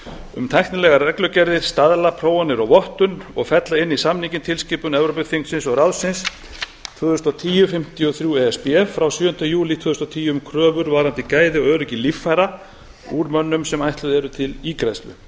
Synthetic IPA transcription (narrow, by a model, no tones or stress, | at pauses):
ʏmt̪ʰajht̪nɪlɛɣarɛklœcɛɾðɪɾ̥st̪aðlapʰɾoːwanːɪɾɔɣvɔht̪ʏnɔɣfɛt̪laɪnːisamnicɪnt̪ʰɪlscɪːpʏnɛvɾop̬ɪθiŋksɪnsɔɣɾawðsɪns | t̪ʰvœːðʏst̪ɔt̪ʰiːjʏfɪm̥t̪ɪɔθɾjuɛɛspɛɛfːɾawsjʏːʏnt̪ajuːlit̪ʰvœðʏst̪ɔt̪ʰiːjʏmkʰɾœːvʏɾvaːɾant̪ɪkaːjðɪɔɣœːɾʏcɪlifːajɾa | uːɾmœnːʏmsɛmajht̪lʏðɛɾʏt̪ʰɪlikɾast̪vʏ̰